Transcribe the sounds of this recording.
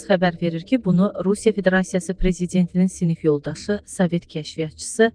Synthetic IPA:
χæbæɾve̞ɾiɾcʰibunuɾusijɑfe̞d̪e̞ɾɑsijɑsɯpɾe̞zid̪e̞nt̪ʰininsinifjo̞lˠd̪ɑʃɯsɑve̞t̪cʰæʃvijɑt̪̚t͡ʃʰɯ̥sɯ

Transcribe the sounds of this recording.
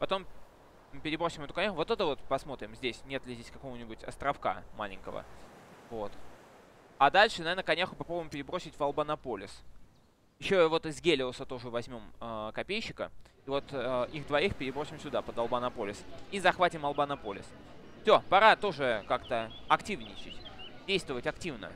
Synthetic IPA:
pɐt̪o̞m | pʲɪɾʲɪbɾo̞sʲɪmɛt̪ʊkɐnʲaxʊvo̞t̪ɛt̪əvo̞t̪pɐsmo̞t̪ɾʲɪmzʲdʲesʲnʲe̞t̪lʲɪzʲdʲesʲkɐko̞vənʲɪbʊtʲɐ̰st̪ɾɐfka̰ma̰lʲɪ̰ŋʲkə̰və̰ | vo̞t̪ | ad̪alʲʂɨnɐvʲernəkɐnʲaxʊpɐpɾobʊɪmpʲɪɾʲɪbɾo̞sʲɪtʲvɐlˠbɐnɐpolʲɪ̰s | jɪɕːovo̞t̪ɨzɡʲelʲɪlˠəsət̪o̞ʐɨvɐzʲmʲo̞mkɐpʲejɕːɪkəivo̞t̪ʔixd̪vɐixpʲɪɾʲɪbɾosʲɪmsʲʊd̪apəd̪ɐlˠbɐnɐpo̞lʲɪsizɐxvatʲɪmɐlˠbɐnɐpo̞lʲɪ̰s | fsʲo̞pɐɾat̪o̞ʐɨkakt̪əɐktʲivnʲɪt͡ɕɪ̰tʲdʲejst̪vəvətʲɐktʲivnə̰

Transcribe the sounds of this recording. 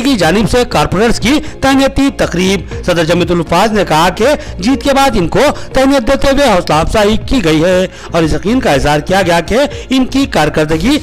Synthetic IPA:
kid͡ʒaːnɪbsekaːɾpoːɾəɾskit̪ɛɦnijət̪it̪ɐqɾiːb̚sɐd̪əɾd͡ʒɐmɪt̪̬ʊlfaːznekɐɦaked͡ʒiːt̪kebaːd̪ɪnkot̪ɛɦnijət̪̚d̪eːt̪eweɦɔːslaːbsaːikiɡɐiɦɛː | ɔːɾɪsjɐqiːnkaɪzɦaːɾkijaɡɐjake | ɪnkikaːɾkɐɾd̪əɡi

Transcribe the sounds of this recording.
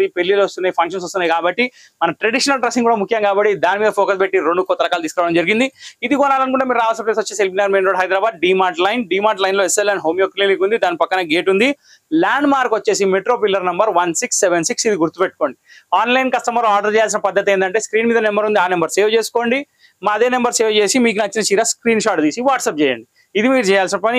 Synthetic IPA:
ipelːilost̪unːaːjipʰɐŋkʂɐns̬ost̪unːaːjikaːbɐʈːi | mɐnɐʈɾeɽiʂɐnɐlʈɾɐsiŋɡkuːɽaːmukʰjɐŋkaːbɐʈːid̪aːnimiːd̪ɐpʰoːkɐspeʈːiɾoɳɖukɔt̪ːɐɾɐkaːlɐt̪iːskɾaːʋɐɽɐmd͡ʒɐɾiɡind̪iid̪iɡɔːnaːlɐnuk̬uɳʈeːmiːɾaːʋalsinɐplesoɐt͡ʃːeːsielpinaːɡɐɾmenɾoːɽɦɐjd̪ɾaːbaːd̪̚ɖiːmaːɾʈlɐjnɖiːmaːʈlɐjnlo̞ːeselɐnɦoːmjoːkliːnikund̪id̪aːnipɐkːɐnɐɡeːʈund̪i | laːɳɖmaːɾkʋɐt͡ʃːe̞ːs̬imeʈɾo̞ːpilːɐɾnɐmbɐɾʋɐnsiksːeʋensiksid̪iɡuɾt̪upeʈ̚ːko̞ːɳɖiaːnlɐjnkɐst̪ɐmɐlaːɾɖɐɾt͡ʃɛːjaːls̬inɐpɐd̪ːɐt̪̬eːnd̪ɐɳʈe̞ːskɾiːnmiːd̪ɐnembɐɾund̪iaːnembɐɾseːʋt͡ʃe̞ːsu̥ko̞ːɳɖi | maːd̪e̞ːnembɐɾseːʋt͡ʃe̞ːsimiːkunɐt͡ʃːinɐt͡ʃiːɾaːskɾiːnʃaːʈd̪iːsiʋaːʈsɐp̚t͡ʃɛːjɐ̰ɳɖi | id̪imiːɾut͡ʃɛːjaːlsinɐpɐni

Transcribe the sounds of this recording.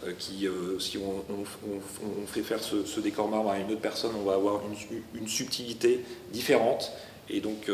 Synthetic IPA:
økʲʰiøsiɔ̃ɔ̃ | ɔ̃ | ɔ̃fɛfɛʁsəsəd̪ekɔʁmaʁmaynot̪χpɛʁsɔnɔ̃vaːvwaʁynynsyp̚t̪ʰilit̪ed̪ifeʁɑ̃t̪ | ḛd̪ɔ̃k

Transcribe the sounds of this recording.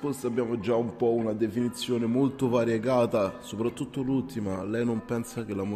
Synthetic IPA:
fosabːjaːmod͡ʒaumpɔunad̪efinit̪sːjoːnemolt̪ovaɾjeɡaːt̪asopɾat̪ːut̪ːolult̪imalɛjnompɛnsak̟elːamo

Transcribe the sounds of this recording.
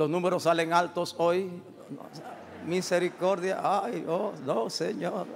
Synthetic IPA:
losnũmeɾosːaleŋalt̪osoj | miseɾikoɾðja̰ʔajonõseɲoɾ

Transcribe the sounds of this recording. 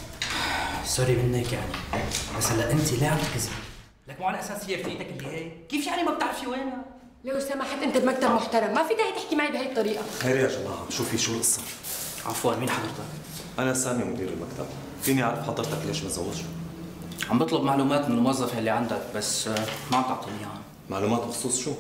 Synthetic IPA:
sɑɾimɪnːeːkja̰ʕnibasalːaʔɪnt̪ileːʕand̪akzi | lækmuʕanʔæsæːshɪjːæfiːt̪akʔɪlːihæːjkiːfjaʕnimab̚t̪aʕɾɪʃiweːna | leʔʊsæːmaħabʔɪnt̪abmak̚t̪abmoħt̪ɑɾˤɑmːæfiːt̪aħit̪eħkimaʕibhæjɨt̪ˤːɑɾiːʔaxeːɾijaʒɑlːɑːhɑbʃuːfiʃuːʔɪsˤːɑ | ʕa̰fwaːlmiːnħɑd̪ˤɨɾt̪ɑk | ʔanasaːmimʊd̪iːɾɪlmakt̪a̰b̚ | fiːniʕaʕɾˤɑfħɑd̪ˤːɨɾt̪ɑkleːʃmazawːɪd̪ʃu̥ | ʕambɨt̪ˤlɑbmaʕluːmaːt̪ʔɪlmowɑzˤːɑfælːiʕand̪ak̚basːmaʕamt̪ɑʕt̪ˤiliːaha | maʕluːmæːt̪xsˤuːsˤʃuː

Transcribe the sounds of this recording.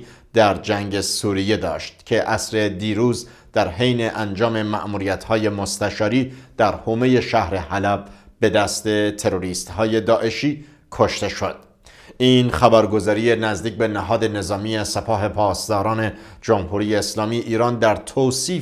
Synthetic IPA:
d̪̥æɾd͡ʒæŋɟe̞suːɾije̞d̪ɒ̰ːʃt̪̚cʰe̞ʔæsɾe̞d̪iːɾuːz | d̪̥æɾhejne̞ʔænd͡ʒɒːme̞mæ̰ʔmuːɾijæt̪ʰhɒːje̞most̪æʃɒːɾiːd̪̥æɾhome̞je̞ʃæhɾe̞hælævbe̞d̪æst̪e̞t̪ʰe̞ɾo̞ɾiːst̪hɒːje̞d̪ɒːʔe̞ʃiː | kʰo̞ʃt̪e̞ʃod̪̥̚ | iːnχæbæɾɡo̞zɒːɾije̞næzd̪iːc̚be̞næɦɒːd̪e̞ne̞zɒːmiːesepʰɒːɦe̞pʰɒːst̪ɒːɾɒːne̞d͡ʒomhuːɾiːjeːslɒːmiːʔiːɾɒːnd̪æɾt̪ʰoːsiː

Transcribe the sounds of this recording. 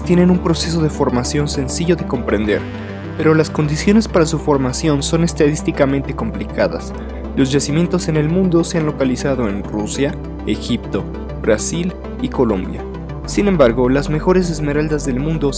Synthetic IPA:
t̪je̞ne̞numpɾo̞se̞s̬oð̞e̞fo̞ɾmasjo̞nse̞nsiʝo̞ðe̞ko̞mpɾe̞nd̪e̞̰ɾ | pe̞ɾo̞lasko̞nd̪isjo̞ne̞spaɾasufo̞ɾmasjo̞nso̞ne̞st̪aðist̪ikamẽnt̪e̞ko̞mplikʰaða̰s | lo̞zʝasimje̞nt̪o̞se̞ne̞lmũnd̪o̞seanlo̞kalisað̞o̞e̞nrusja | e̞xip̚t̪o̞ | bɾasil | iko̞lõ̞̰mbja̰ | sinẽ̞mbaɾɣo̞lazme̞xo̞ɾe̞s̬e̞zme̞ɾald̪azðe̞lmũnd̪o̞

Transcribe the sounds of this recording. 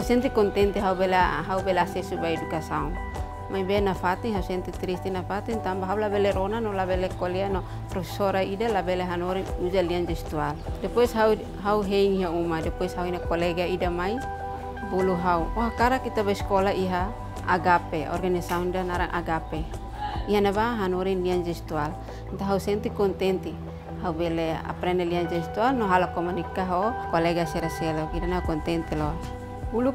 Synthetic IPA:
hasɛnt̪ikɔnt̪ɛnt̪eɦaubelaɦaubelasɛsubajdukasaun | majbenafat̪iŋɦausɛnt̪it̪ɾist̪inafat̪iŋt̪ambaɦaulabeleɾonanolabelekoleano | pɾɔfe̥soɾaidalabeleɦanoɾɛŋud͡ʒaliand͡ʒɛst̪ualdɛpɛsɦau | ɦauɦeiŋiɦaumadɛpɛshauinakoleɡaidamai | buluɦauoɦakaɾakit̪abaiskolaiɦa̰ː | ɡapeɔ̰rɡanisaundanaɾaŋʔa̰ɡape | iɦanabaɦanuɾɛnliand͡ʒɛst̪ual | nt̪aɦausɛnt̪ikɔnt̪ɛnt̪i | haubɛlea̰pɾɛnɛliand͡ʒɛst̪ualnɔɦalakɔmunikaɦokɔlɛɡasɛɾasɛlɔkidanaukɔnt̪ɛnt̪ilɔ | bulu

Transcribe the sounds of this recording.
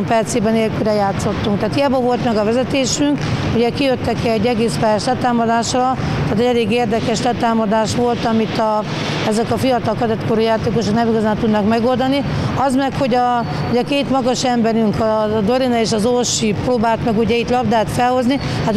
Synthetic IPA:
mpɛrt̪seːbɛneːlkylɾɛjaːt̪so̞t̪ːuŋkt̪aːt̪ijɛbɒvo̞lt̪mɛɡɒvɛzɛt̪eːʃyŋkuɟɛkijøt̪ːɛkɛɟːɛɡeːspɛjɛʃlɛt̪aːmɒd̪aːʃrɒ | t̪aːt̪ɛɟɛleːɡeːrd̪ɛkɛʃlɛt̪aːmɒd̪aːʃʋo̞lt̪ɒmit̪ɒ | ɛzɛkɒfijɒt̪ɒlkɒd̪ɛt̪koɾuːjaːt̪eːkoʃoknɛmiɡɒzaːnt̪ud̪nɒkmɛɡo̞ld̪ɒni | ɒzmɛkho̞ɟɒ | uɟɛkeːt̪mɒɡɒʃɛmbɛɾyŋkɒd̪oɾinɛeːʃɒzoʃiproːbaːlt̪mɛɡuɟɛit̪lɒbd̪aːt̪fɛlho̞zni | hat̪

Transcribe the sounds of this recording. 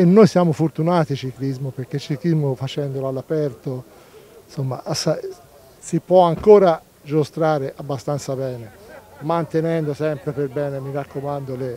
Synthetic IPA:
enːojsjaːmofort̪unaːt̪it͡ʃiklizmopeɾk̟elt͡ʃiklizmofat͡ʃɛnd̪olalːapɛrt̪o | somːa̰ʔsa | sipwɔaŋkoːɾa | d͡ʒost̪ɾaːɾeʔabːast̪ant̪sabɛːnemant̪enɛnd̪osɛmpɾeperbɛːnemiɾakːomand̪ole

